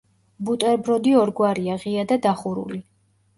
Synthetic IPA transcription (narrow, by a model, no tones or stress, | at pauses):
but̪ʼɛɾbɾɔd̪iɔɾɡwaɾiaʁiad̪ad̪aχuɾṵli